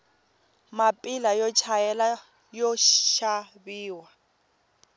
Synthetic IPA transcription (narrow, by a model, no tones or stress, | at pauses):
mapʼilajɔt͡ʃʰajɛla | jɔʃabiːwa